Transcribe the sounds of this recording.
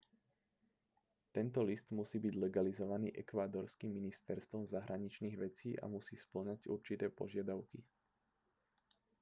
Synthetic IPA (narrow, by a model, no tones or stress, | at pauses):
t̪ɛnt̪ɔlist̪musiːbiɟlɛɡalizɔʋaniːʔɛkʋaːd̪ɔɾskimːinist̪ɛɾst̪ʋɔmzaɦɾaɲit͡ʃniːɣʋɛt͡siːʔa̰musiːspl̩ɲaɟṵɾt͡ʃit̪ɛːpɔ̰ʒɪad̪aʊki